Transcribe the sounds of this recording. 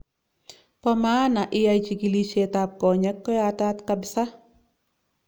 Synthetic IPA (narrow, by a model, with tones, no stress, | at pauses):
pɔ˦maː˦na˨ʔɪja˦jt͡ʃi˨ki˨li˦t͡ʃetap̚kɔ˨ɲɛ˦kːɔ˦jata˦tkabɪsa˦